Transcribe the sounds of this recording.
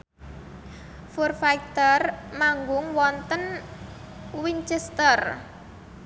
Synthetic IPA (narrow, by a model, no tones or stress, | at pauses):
furfajkt̪ərmaŋɡʊŋwɔnt̪ən | wiɲt͡ʃɛst̪ər